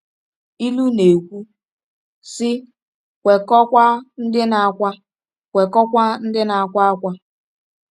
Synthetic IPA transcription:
i˦lu˦ne˨kʷu˦ | sɪ˦ | kʷe˨kɔ˦kʷa˦n̩˦dɪ˦na˨a˨kʷa˦ | kʷe˨kɔ˦kʷa˦n̩˦dɪ˦na˨a˦˨kʷa˦a˦kʷa˦

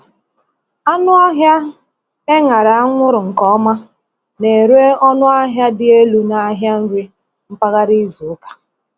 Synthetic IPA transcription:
a˦nʊ˦a˦ɦja˦ | e˦ŋa˨ɾa˨a˦ŋʷʊ˦ɾʊ˨ŋ̩˨kɔ˦ma˦ | ne˨ɾe˦ɔ˦nʊ˦a˦ɦja˦dɪ˦e˦lu˦na˦ɦja˦n̩˦ɾi˦ | m̩˦pa˦ɣa˦ɾi˦zu˨ʊ˦kḁ˦

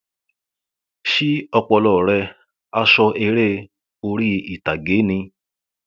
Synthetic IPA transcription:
ʃi˦ɔ˧k͡pɔ˧lɔ˨ɾɛ˧ | a˦ʃɔ˧ʔe˧ɾe˦ | o˧ɾi˦i˨ta˨ɡeː˨˦nĩ˧

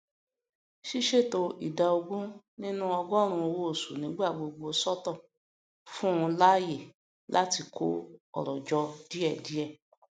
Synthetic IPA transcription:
ʃi˦ʃe˦˨to˧ʔḭ˦˨da˨˧o˧ɡũ˦ | nĩ˦nũ˦ɔ˧ɡɔ˦ɾ̃ũ˧o˧wo˧˦o˦˨su˨nĩ˨˦ɡ͡ba˦˨ɡ͡bo˧ɡ͡bo˧sɔ˦tɔ˦˨ | fũ˦ũ˧la˦je˦˨ | lʔa˦ti˧kʰo̰˦ɔ̰˨ɾɔ˨d͡ʒɔ˧di˦ɛ˦˨di˨˦ɛ˦˨

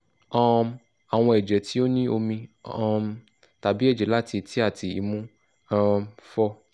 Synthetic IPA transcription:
ɔ˦˧m | a˨w̃ɔ̃˧ɛ˨d͡ʒɛ˨tʰi˦o˦nĩ˦o˧mĩ˧ɔ˦˧ | ta˨bi˨˦ɛ˦˨d͡ʒɛ˨la˦ti˧tʰi˦a˦˨ti˨ḭ˧mũ˦˧ | fɔ˦

